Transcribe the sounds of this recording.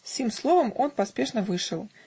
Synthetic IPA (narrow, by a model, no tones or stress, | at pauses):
sʲimslˠɔvɐmɔnpasʲpʲɛʂnɐvɨʂɐw